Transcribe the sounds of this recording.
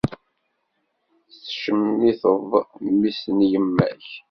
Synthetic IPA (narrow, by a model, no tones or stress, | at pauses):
θθʃəmiθəvˤmisənjəmːæ̰ç